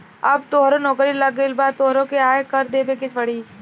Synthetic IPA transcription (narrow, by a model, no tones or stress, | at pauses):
ɐbt̪oɦɾõnɔːkɾilɐɡelbaːt̪oːɦɾõkeaːjkɐɾd̪eːbekɪt͡ʃʰʋɐɽiː